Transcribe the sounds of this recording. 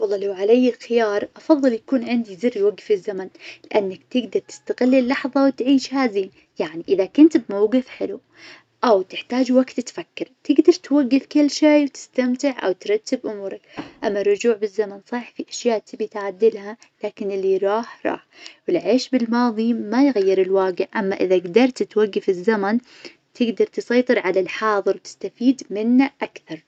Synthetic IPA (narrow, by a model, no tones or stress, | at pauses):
wɑlˤːɑːlawʕalajːɪlxɪjɑːɾˤʔɑfɑðˤːɨljakuːnʕɪnd̪izɪrːiwaɡːfɪzːamanlɪʔanːakt̪ɪɡd̪ɑɾˤt̪ɪ̥st̪aɣɪlːɪlːɑħðˤɑwt̪ʕiːʃhaːziːn | jaʕniʔɪðakʊnt̪bmawɡɪfħɪlu | ʔawt̪ɪħt̪aːd͡ʒwaɡt̪t̪fakːɪɾt̪ɪɡd̪ɑɾˤt̪waɡːɪfkɪlːʃaːwt̪ɪ̥st̪amt̪ɪʕʔa̰wt̪ɾˤɑt̪ːɪbʔʊmuːɾˤɑkʔamːarˤːʊd͡ʒuːʕbɪzːamansˤɑħfiʔaʃjaːʔt̪ɪbit̪ʕad̪ːɪlha | laːkɪnɪlːiɾˤɑːħɾˤɑ̰ːħwɪlʕeːʃbɪlmɑːðˤimajɣajːɪɾɪlwaːɡɪʕʔamːaʔɪðaɡd̪ɑɾˤt̪t̪waɡːafɪzːaman | t̪ʰɪɡd̪ɑɾˤt̪ɨsɑjt̪ˤɨɾʕalalħɑːðˤɨɾwt̪ɪ̥st̪afiːd̪mɪnːaʔakθɑɾˤ